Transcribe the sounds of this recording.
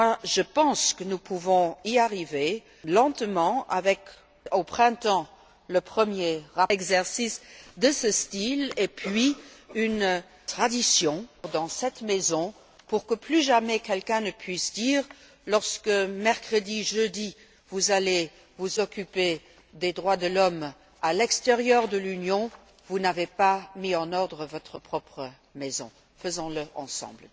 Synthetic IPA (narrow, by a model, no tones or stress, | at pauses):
mwaʒəpɑ̃skənupʰuvɔ̃iaʁive | lɑ̃t̪mɑ̃a̰vɛk | opχɛ̃t̪ɑ̃ | ləpχəmjeʁaɛɡzɛʁsisd̪əsəst̪ilepʰɥiyn | t̪χad̪isjɔ̃d̪ɑ̃sɛt̪mezɔ̃ | puʁkəplyʒamɛkɛlkɛ̃nəpʰɥisd̪iːʁ | lɔʁskəmɛʁkχəd̪iʒød̪i | vuzale | vuzɔkype | d̪ed̪ʁwad̪əlɔm | alɛkst̪eʁjœʁd̪əlynjɔ̃ | vunavepamiɑ̃nɔʁd̪ʁəvɔt̪χəpχɔpχə | mezɔ̰̃ | fəzɔ̃ləʔɑ̰̃sɑ̰̃bl